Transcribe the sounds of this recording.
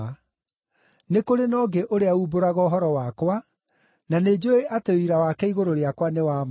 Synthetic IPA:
nekoɾenɔːɡeʔoɾeauːboɾaɣɔːɦɔɾɔwakwa | naned͡ʑoeʔateoiɾawakɛiɣoɾoɾeakwanewaːm

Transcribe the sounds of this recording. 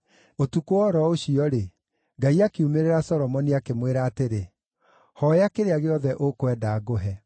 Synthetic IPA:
otukoɔɾɔoɕiɔɾe | ŋɡaiakiumeɾeɾasɔɾɔmɔniakemweɾaːteɾe | hɔjakeɾeaɣeɔðɛʔokwɛdaːɡoɦɛ

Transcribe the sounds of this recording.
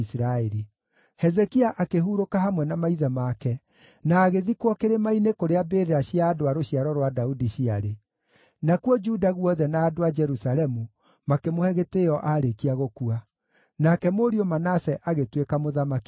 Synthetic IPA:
sɾaeɾi | hɛzɛkiaʔakeɦuɾokaɦamwɛnamaiðɛmakɛ | naːɣeðikwɔkeɾemainekoɾeabeɾeɾaɕiaːdoaɾoɕiaɾɔɾwadaudiɕiaɾe | nakwɔd͡ʒudaɣwɔðɛnaːdoad͡ʒɛɾusaɾɛmu | makemohɛɣeteɔʔaɾekiaɣokua | nakɛmoɾiɔmanasɛʔaɣetwekamoðamaki

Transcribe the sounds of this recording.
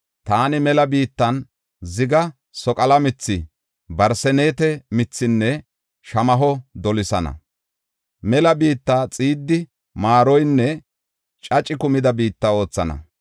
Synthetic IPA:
t̪aːnɪmɛlɐbiːt̪ːɐn | zɪɡɐ | sɔkʼɐlɐmɪt͡sːɪ | bɐɾsɛne̞ːt̪ɛmɪt͡sːɪnːɛ | ʃɐmɐɦɔd̪ɔlɪsɐnɐ̰ | mɛlɐbiːt̪ːaːt͡sʼiːd̪ːɪ | maːɾɔjnːɛ | t͡ʃʼɐt͡ʃʼɪkʊmɪd̪ɐbiːt̪ːɐo̞ːt͡sːɐnɐ̰

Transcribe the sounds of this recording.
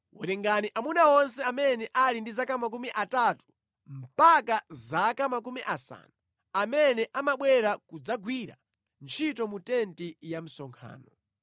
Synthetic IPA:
wṵɾɛŋɡaniʔamunawɔnsɛamɛnɛʔalindizakamak̬umiʔatatu̥ | m̩pakazakamak̬umiʔasa̰ːnu | amɛnɛʔamaɓwɛɾakud͡zaɡwiɾa̰ | nt͡ʃʰitɔmutɛntijam̩sɔŋkʰa̰ːnɔ

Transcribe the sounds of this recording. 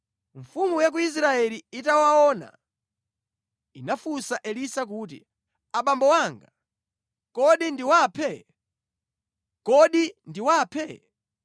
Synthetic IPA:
ɱfumujak̬uis̬ɾaɛliitawaɔna̰ | inafusaʔɛlisak̬uːt̬ḭ | aɓambɔwaːŋɡa | kɔɗindiwaːpʰɛ | kɔɗindiwaːpʰɛ

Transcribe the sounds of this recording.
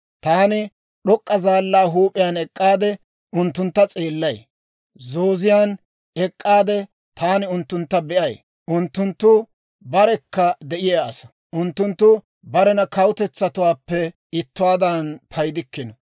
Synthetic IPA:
t̪aːnɪ | ɗɔkʼːɐzaːlːaːɦuːpʼɪjaːnɛkʼːaːd̪ɛ | ʊnt̪ːʊnt̪ːɐt͡sʼeːlːɐj | zoːzɪjaːn | ɛkʼːaːd̪ɛ | t̪ʰaːnɪʊnt̪ːʊnt̪ːɐbɛʔɐj | ʔʊnt̪ːʊnt̪ːʊ | bɐɾɛkːɐd̪ɛʔɪjaːsɐ̥ | ʔʊnt̪ːʊnt̪ːʊ | bɐɾɛnɐkɐwʊt̪ɛt͡sːɐt̪ʊwaːpːɛ | ɪt̪ːʊwaːd̪ɐnpʰɐjd̪ɪkːɪnɔ

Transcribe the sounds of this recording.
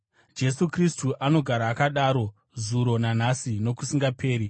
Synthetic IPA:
d͡ʒe̞sukristuʔano̞ɡʱaɾaːkaɗaːɾo̞ | zuɾo̞nan̤asino̞kusiŋɡapʰe̞ːɾi

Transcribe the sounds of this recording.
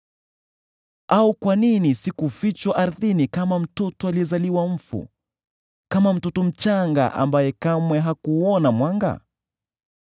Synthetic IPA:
aukwaninisikufit͡ʃwaʔaɾðinikamam̩tɔtɔaliɛzaliwam̩fṵ | kamam̩tɔtɔm̩t͡ʃaŋɡa̰ʔa̰mbajɛkamwɛɦakuɔnamwaŋɡa̰

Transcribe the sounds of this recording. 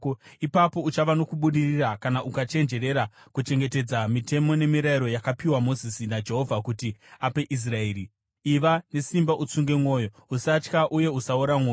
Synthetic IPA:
ipapo̞ut͡ʃaʋano̞kuɓuɗirirakanaʔukat͡ʃe̞nd͡ʒe̞ɾe̞ɾakut͡ʃe̞ŋɡe̞te̞d͡zamite̞mo̞ne̞miɾaiɾo̞jakapiwamo̞zisinad͡ʒe̞ɦo̞vʱakutiape̞ʔis̬raeːɾi | iʋane̞simbaʔut͡suŋɡe̞mwo̞ːjo̞ | usat͡ʃkaʔuje̞usauɾamoː

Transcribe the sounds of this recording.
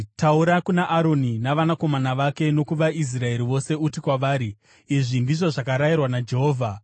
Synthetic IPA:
tauɾakunaʔːɾo̞ninaʋanako̞manaʋake̞no̞kuʋais̬rae̞ɾiʋo̞se̞utikwaʋaːɾi | iʐindiʐo̞ʐakaɾairwanad͡ʒe̞ɦo̞ːvʱa

